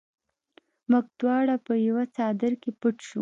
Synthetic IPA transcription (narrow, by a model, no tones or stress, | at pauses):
mʊɡ̚d̪wɑɽapəjawat͡sɑd̪ɪɾkepəʈʃu